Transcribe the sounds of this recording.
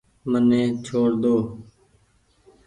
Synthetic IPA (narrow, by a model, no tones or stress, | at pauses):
mənẽːt͡ʃʰoːɽd̪oː